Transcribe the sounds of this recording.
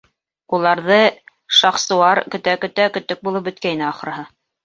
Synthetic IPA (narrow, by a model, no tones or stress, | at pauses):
ulˠɑɾðɤ | ʃɑχsɤ̆wɑɾkɵ̆t̪ækɵ̆t̪ækɵ̆t̪ːɵk̚bulˠɤp̚bɵ̆t̪kæinɘɑχɤ̆ɾɤ̆ɦɤ